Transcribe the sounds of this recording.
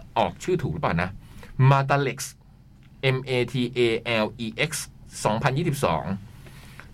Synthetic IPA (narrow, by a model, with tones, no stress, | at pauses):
ʔɔː˨˩k̚t͡ɕʰɯː˥˩t̪ʰuː˨˩k̚ɯ˦˥plaː˨˩na˦˥maː˧t̪̬aː˧le˨˩k̚s | ʔe˧mʔeː˧t̪ʰiː˧ʔeː˧ʔɛː˧wʔiː˧ʔe˦˥k̚ssɔː˩˦ŋpʰa˧njiː˥˩si˨˩p̚sɔ̰ː˩˦ŋ